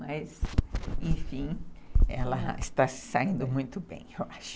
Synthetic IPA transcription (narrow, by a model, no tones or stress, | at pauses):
majzẽj̃fĩɛlɐɪ̰st̪asɪ̥saĩnd̪ʊmũj̃t̪ʊbḛ̃j̃ewaʃ